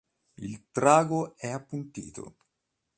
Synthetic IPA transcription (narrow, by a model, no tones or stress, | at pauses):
ilt̪ɾaːɡoɛapːunt̪ḭːt̪ʰo̰